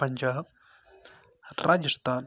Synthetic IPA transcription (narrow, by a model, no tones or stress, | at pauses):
ɐɲd͡ʒaːb̚ | ɾʔaːd͡ʒəst̪ʰaːn